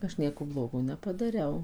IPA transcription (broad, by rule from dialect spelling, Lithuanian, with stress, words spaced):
ˈɐʃ ˈnʲiɛkoː ˈblˠoːɡoː nʲɛpɐdɐˈrʲɛʊ